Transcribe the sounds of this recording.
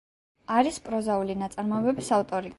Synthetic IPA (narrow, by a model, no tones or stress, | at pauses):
aɾispʼɾɔzaulinat̪sʼaɾmɔɛbɛbisaft̪ʼɔɾi